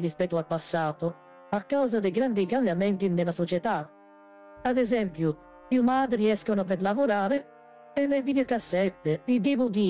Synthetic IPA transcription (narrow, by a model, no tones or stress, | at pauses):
ɾispɛt̪ːualpasːaːt̪o | akːawzad̪ejɡɾand̪ikambjamɛnt̪ind̪ɛlasot͡ʃɛt̪a | ad̪ɛzɛmpju | iumaːd̪ɾiɛskonap̬ɛɾlavoɾaːɾe | ɛvɛvid̪iɾkasːɛt̪ːeid̪ivud̪i